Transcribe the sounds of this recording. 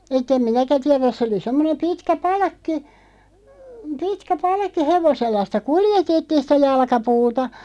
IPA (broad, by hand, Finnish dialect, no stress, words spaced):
etˑ em minækæ tiɛræs sĕ oli semːonem pitkæ pɑlɑ̆kːi pitkæ pɑlkːi heʋoselːɑ sĭtæ kuljetetːiːn̞ sĭtæ jɑlɑ̆kɑpuːtɑ